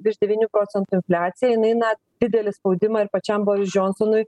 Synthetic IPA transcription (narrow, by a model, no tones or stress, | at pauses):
bʲɪʒʲd̪ʲɛʋʲiːnʲuːpɾoːsʲɛnt̪uːɪnʲfʲlʲæːt̪sʲɪjɛjɪnɐɪnɐ | d̪ʲɪd̪ʲɛlʲɪspɒʊd̪ʲɪmɐɪɾpɐt͡ʃʲɛmboːɾʲɪsd͡ʒonsɔnʊj